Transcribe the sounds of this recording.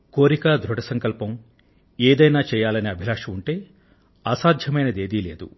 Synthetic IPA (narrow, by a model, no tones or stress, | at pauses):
ko̞ːɾikaːd̪ʱɾuʈɐsɐŋkɐlpɐm | eːd̪ɐjnaːt͡ʃɛːjaːlɐniɐbʱilaːʂɐmuɳʈe̞ː | aːsaːd̪ʱjɐmɐjnɐd̪e̞ːd̪iːle̞ːd̪ṵ